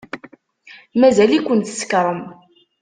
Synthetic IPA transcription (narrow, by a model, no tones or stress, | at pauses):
mæzælikʷənt̪sə̥kɾˤəm